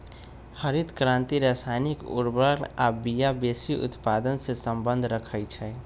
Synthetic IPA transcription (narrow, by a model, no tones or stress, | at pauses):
həɾid̪kɾãnt̪iɾasanikṵɾbənabijabesiʔṵt̪pad̪ənsẽsəmbənd̪ʱɾəkʰəjt͡ʃʰɛ